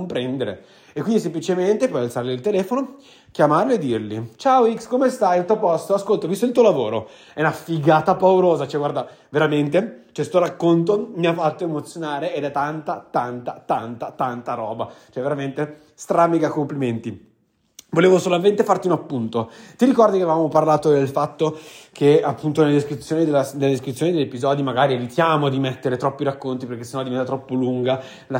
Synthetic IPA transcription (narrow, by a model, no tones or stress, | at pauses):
mpɾɛnd̪eɾḛː | kːwind̪is̬emplit͡ʃement̪epɔjalt̪saɾlilt̪elɛːfono | kjamarlied̪ːirlit͡ʃaoikskomest̪ajilt̪uopɔst̪oaskolt̪ovist̪oilt̪uːolavo̰ːɾo̰ | ɛnafiɡaːt̪apauɾoːzat͡ʃɛɡward̪a | veɾament̪et͡ʃɛst̪oɾakːont̪̬omiafat̪ːoemot̪sːjonaːɾeed̪ɛt̪ːant̪at̪ant̪at̪ant̪at̪ant̪aɾɔːbat͡ʃoɛvːeɾament̪e | st̪ɾamiɡakompliment̪i | voleːvosolament̪efart̪iunapːunt̪ot̪iɾikɔrd̪ikeavavamoparlaːt̪od̪elfat̪ːokʰeapːunt̪onelːed̪eskɾit̪sːjoːnid̪elːasneled̪eskɾit̪ːjoːnid̪eʎːepizɔd̪imaɡaːɾievit̪jaːmod̪imet̪ːeɾet̪ɾɔpːiɾakːont̪ipeɾrk̟esenːɔd̪ivɛnt̪at̪ɾɔpːoluŋɡa | la